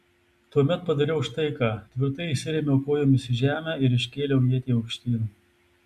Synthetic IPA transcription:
t̪uɔmʲɛt̪pɐd̪ɐɾʲɛʊʃt̪ɐɪkɑːt̪ʲʋʲɪɾt̪ɐɪɪsʲɪɾʲɛmʲɛʊkoːjoːmɪsʲɪʒʲæːmʲæːɪɾɪʃʲkʲeːlʲɛʊjiɛt̪ʲiːɐʊkʃʲt̪ʲiːnu

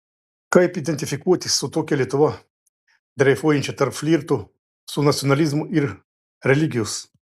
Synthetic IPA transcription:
kajpid̪ɛnt̪ifikujɐt̪ʲisɔt̪okʲɛlʲjɛt̪ɔʋa | d̪ɾɛjfoint͡ʃɛt̪əɾflʲiɾt̪u | sunat̪sʲjonalizmuʔiɾ | ɾɛliɡʲius

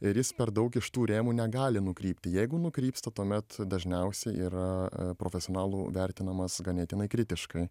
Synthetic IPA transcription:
ɪɾjɪspʲɛɾd̪ɐʊkɪʃt̪uːɾʲeːmuːnʲɛɡɑːlʲɪnʊkɾʲiːpʲt̪ʲɪjɛɪɡʊnʊkɾʲiːpst̪ɐt̪uɔmʲɛt̪d̪ɐʒʲnʲɛʊsʲɛɪʔiːɾɐpɾoːfʲɛsʲɪoːnɑːlˠuːʋʲɛɾʲt̪ʲɪnɐmɐsɡɐnʲeːt̪ʲɪnɐɪkɾʲɪt̪ʲɪʃkɐɪ

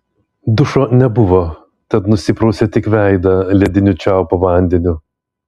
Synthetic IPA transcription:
d̪ʊʃoːnʲɛbʊʋo | t̪ʲɛt̪nʊsʲɪpɾɔʊsʲet̪ʲɪkʋʲæˑɪd̪ɐlʲɛd̪ʲɪnʲʊt͡ʃʲɛʊpoʋɐˑnʲd̪ʲɛnʲʊ

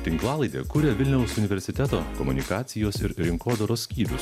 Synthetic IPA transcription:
t̪ʲɪŋklˠɑːlˠɐɪd̪ʲḛːkuɾʲeːʋʲɪlʲnʲɛʊsʊnʲɪʋʲɛɾʲsʲɪt̪ʲɛt̪oːkɔmʊnʲɪkɑːt̪sʲɪjoːsɪɾɾʲɪŋkoːd̪oɾoːsʲkʲiːɾʲʊs

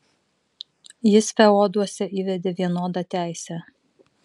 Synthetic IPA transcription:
jɪsfʲɛoːd̪uɔsʲɛʔiːʋʲɛd̪ʲeːʋʲiɛnoːd̪ɑt̪ʲæˑɪsʲɛ

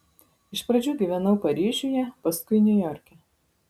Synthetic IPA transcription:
ɪʃpɾɐd͡ʒʲuːɡʲiʋʲɛnɐʊpɐɾʲiːʒʲʊjɛpɐskʊɪnʲʊjɔːɾʲkʲɛ

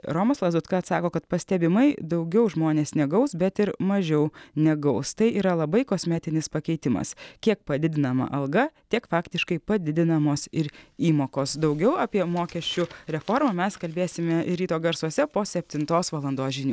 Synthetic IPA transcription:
ɾoːmɐslˠɐzʊt̪kɐɐt̪sɑːkoːkɐt̪pɐsʲt̪ʲɛbʲɪmɐɪd̪ɐʊɡʲɛʊʒmoːnʲeːsnʲɛɡɐʊsbʲɛt̪ɪɾmɐʒʲɛʊnʲɛɡɐʊst̪ɐɪʔiːɾɐlˠɐbɐɪkosʲmʲæːt̪ʲɪnʲɪspɐkʲɛɪt̪ʲɪmɐ̰skʲiɛk̚pɐd̪ʲɪd̪ʲɪnɐmɐ̰ʔɐlˠɡɐt̪ʲiɛkfɑːkt̪ʲɪʃkɐɪpɐd̪ʲɪd̪ʲɪnɐmoːsɪɾiːmoːkoːsd̪ɐʊɡʲɛʊɑːpʲiɛmoːkʲɛʃʲt͡ʃʲʊɾʲɛfoːɾmɐmʲɛskɐlʲbʲeːsʲɪmʲɛɪɾʲiːt̪oːɡɐɾsuɔsʲɛpoːsʲɛpʲt̪ʲɪnt̪oːsʋɐlˠɐnd̪oːsʒʲɪnʲuː

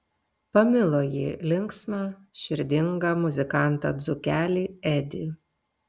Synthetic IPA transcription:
pɐmʲɪlˠoːjiːlʲɪŋksmɑʃʲɪɾʲd̪ʲɪŋɡɐmʊzʲɪkɑˑnˑt̪ɑ̰ːd̪zʊkʲæːlʲiːɛd̪ʲi

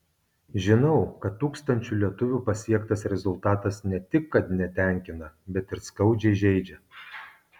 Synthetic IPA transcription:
ʒʲɪnɐʊkɐt̪ːuːkst̪ɐnʲt͡ʃʲulʲiɛt̪ʊʋʲuːpɐsʲiɛkt̪ɐsɾʲɛzʊlˠt̪ɑːt̪ɐsnʲɛt̪ʲɪkːɐt̪nʲɛt̪ʲɛˑŋʲkʲɪnɐbʲɛt̪ɪɾskɐʊd͡ʒʲɛɪʒʲɛɪd͡ʒʲɛ

